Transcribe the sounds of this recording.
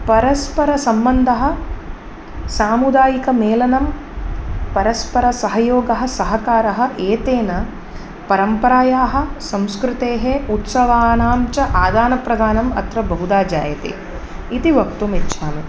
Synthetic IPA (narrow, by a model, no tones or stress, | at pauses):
pɐɾɐspɐɾɐsɐmbɐnd̪ʱɐɦɐ̆ | saːmud̪aːjikɐmeːlɐnɐm | pɐɾɐspɐɾɐsɐɦɐjoːɡɐɦɐ̆sɐɦɐkaːɾɐɦɐ̆ʔeːt̪eːnɐ | pɐɾɐmpɐɾaːjaːɦɐ̆sɐ̃mskɾɪt̪eːɦeut̪sɐʋaːnaːmt͡ʃɐʔaːd̪aːnɐpɾɐd̪ʱaːnɐmɐ̰t̪ɾɐbɐɦud̪aːd͡ʒa̰ːjɐt̪ḛ | it̪iʋɐkt̪umit̪ːʃʰaːmi